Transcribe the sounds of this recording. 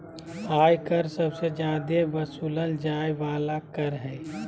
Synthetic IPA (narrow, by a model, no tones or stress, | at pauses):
aːjkəɾsəbsed͡ʒjaːd̪eʋəsuːləld͡ʒaːeʋaːlakəɾɦɛ̃ː